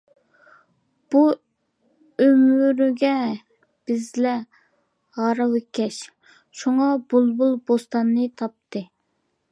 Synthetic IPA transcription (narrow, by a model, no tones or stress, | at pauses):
b̥u | ømyɾyɡʲɛ | b̥ɪzlɛ | hɑɾɑwɪkʲʰːɛʃ | ʃuŋɑbulˠbulˠbost̪ɑnːɨt̪ʰɑp̚t̪ʰɨ